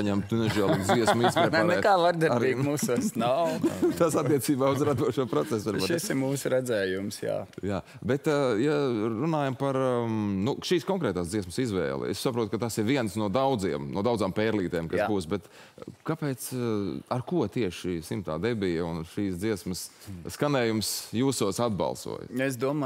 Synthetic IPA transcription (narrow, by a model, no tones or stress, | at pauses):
aɲɛmt̪unɛʒiɛlˠːziɛsmisepnanɾɛkaːvaɾd̪aɾaɾiːkmuːsuɔsnawt̪asat̪ːiɛsiːbaːuzɾad̪uɔʃuɔpɾɔt̪sɛsaɾaɾʃisɪɾmuːsʊɾɛdzɛːjumsja̰ːjaː | bɛt̪jaɾunaːjɐmpaɾnuʃiːskɔŋkɾɛːt̪aːsd̪ziɛsmsizʋɛ̰ːl̰ˠḛssapɾuɔt̪̚kɐt̪asiɾʋiɛnsnuɔd̪awd̪zḭɛmnuɔd̪aw̪zaːmpɛːɾlˠiːt̪ɛːmkasbuːsbɛt̪ | kapɛːt̪saɾkuɔt̪iɛʃʃiːsimt̪a̰ːd̪ɛbijunʃiːsd̪ziɛsməsskanɛːjumsjuːsuɔsad̪bɑ̰lˠsṵɔj̰es̬d̪uɔma